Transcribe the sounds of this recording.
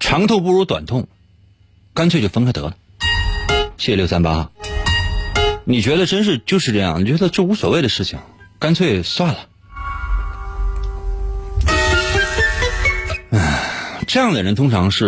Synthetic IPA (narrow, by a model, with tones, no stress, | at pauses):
ʈ͡ʂʰɑ˧˥ŋt̪ʰo˥˧ʊp̬u˥˩ɻu˧˥t̪wa̰˨˩nt̪ʰʊ˥˩ŋ | ka˥nt͡sʰe˥˧ɪt͡ɕjo˥˩fə˥ŋkʰɪt̪ɤ̰˧˥lə˨ | t͡ɕʰi˥˩˧jo˥˩ʊsa˥npa̰˥x | ni˨˩t͡ɕɥɛ˧˥d̪ə˧ʈ͡ʂə˥nʂ̬ɻ̩˥˧t͡ɕjo˥˧ʊʂɻ̩˥˧ʈ͡ʂɤ˥˧jɑ̰˥˩ŋni˨˩t͡ɕɥɛ˧˥d̪ə˧ʈ͡ʂɤ˥˩u˧˥swɔ˨˩we˥˩ɪd̪ə˩ʂɻ̩˥˩t͡ɕʰḭ˩ŋka˥nt͡sʰwe˥˧˩ɪswa˥˩nlə˩ | ə˥˩ʈ͡ʂɤ˥˧jɑ˥˩ŋd̪ə˩ɻə˧˥nt̪ʰʊ˥ŋʈ͡ʂʰɑ˧˥ŋʂɻ̩˥˩